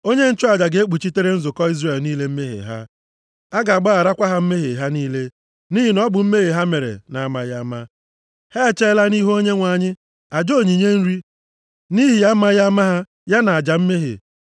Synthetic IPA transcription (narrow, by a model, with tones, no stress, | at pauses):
o˦ɲe˦n̩˦t͡ʃʊ˦a˨d͡ʒa˨ɡe˨˦e˦k͡pu˨t͡ʃi˦te˦ɾe˦n̩˦zʊ˨kɔ˦i˦zre˨lniː˦le˦m̩˦me˦ɦḛ˨ɦa̰˦ | a˦ɡa˨a˨ɡ͡ba˦a˨ɾa˦kʷa˦ɦa˦m̩˦me˦ɦe˨ɦa˦niː˦le˦ | ni˦ɦi˨nɔ˦bʊ˨m̩˦me˦ɦe˨ɦa˦me˨ɾḛ˨na˨a˦ma˦ja˦ma˦ | hɛ˦˨t͡ʃe˦la˦ni˦ɦo˦ɲe˦ŋʷa˨ɲɪ˦ | a˨d͡ʒo˦˨ɲi˨ɲe˦n̩˦ɾi˦ | ni˦ɦi˨ja˦ma˦ja˦ma˦ɦa˦ | ja˦na˨a˨d͡ʒa˨m̩˦me˦ɦḛ˨